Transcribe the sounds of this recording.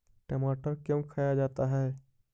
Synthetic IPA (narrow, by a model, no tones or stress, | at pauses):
ʈɛmaːʈəɾkjõkʰaːjad͡ʒaːt̪aɦɛː